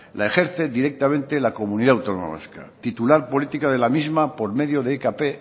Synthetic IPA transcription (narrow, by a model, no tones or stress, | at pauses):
lae̞xe̞ɾθe̞d̪iɾe̞k̚t̪amẽnt̪e̞lako̞mũniðaawt̪ono̰ma̰ska̰t̪it̪ulaɾpo̞lit̪ikað̞elamizmapo̞ɾme̞ðjo̞ðekape